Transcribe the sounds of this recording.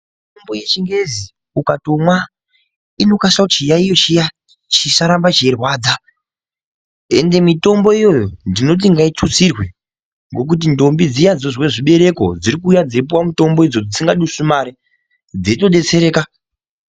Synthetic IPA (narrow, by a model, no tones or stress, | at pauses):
itombo̞je̞t͡ʃiŋɡe̞zi | ukato̞mwa | ino̞kasakut͡ʃijaijo̞t͡ʃija | t͡ʃisaɾambat͡ʃierwaːd͡za | e̞̰nde̞mito̞mbo̞ijo̞jondino̞t̬iŋɡait͡ʂut͡sirwe | ŋɡo̞k̬ut̬indo̞mbid͡zijad͡zoʐwe̞ʐiɓe̞ɾe̞ko̞̰d͡ziɾikuːjad͡zip̬uwamuto̞mbo̞id͡zod͡zisiŋɡaɗuʂumaɾi | d͡zeito̞ɗe̞t͡se̞ɾe̞ːka